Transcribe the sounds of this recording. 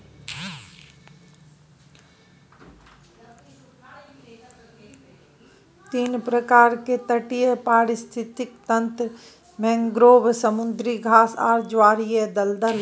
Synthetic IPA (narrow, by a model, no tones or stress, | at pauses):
t̪iːnpɾəkaːɾket̪əʈijepaːɾɪst̪ʰɪt̪ɪk̚t̪ənt̪ɾ | mɛ̃ŋɡɾoːbsəmʊnd̪ɾiɡʱaːsa̰ːɾd͡ʒaːɾijed̪əld̪əl